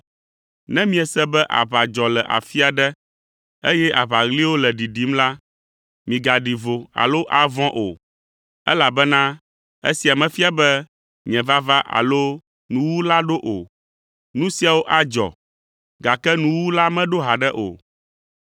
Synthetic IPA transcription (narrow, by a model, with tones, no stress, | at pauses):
nɛ̃˦mĩ˦ɛ˨sɛ˦bɛ˦ʔa̰˨βa˨d͡ʒɔ˨lɛ˨ʔa̰˨fi˦a˨ɖɛ˦ | e˦jɛ˦ʔa˨βa˨ɣli˦wo˦lɛ˨ɖi˨ɖi˦mla˦ | mĩ˨ɡa˨ɖi˨vo˨a̰˨lo˦ʔa˨vɔ̃˦ʔo˨ | ɛ̰˦la˨bɛ˦nã˦ | ḛ˦si˨a˨mɛ̃˨fi˦a˨bɛ˦ | ɲɛ̃˨va˦va˦ʔa̰˨lo˦ | nũ˦wu˦la˦ɖo˦ʔo˨ | nũ˦si˦a˨wo˦ʔa˦d͡ʒɔ̰˨ | ɡa˨kɛ˦nũ˦wu˦la˦mɛ̃˦ɖo˦ɦa˨ɖɛ˦ʔo̰˨